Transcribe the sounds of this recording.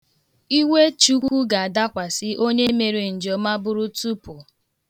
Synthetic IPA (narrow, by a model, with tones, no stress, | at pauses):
i˦we˦t͡ʃu˦ku˦ɡa˨a˨da˦kʷa˨sɪ˦ʔo˦ɲe˦me˨ɾe˨n̩˨d͡ʒɔ˨ma˦bʊ˦ɾʊ˦tu˦pʊ˨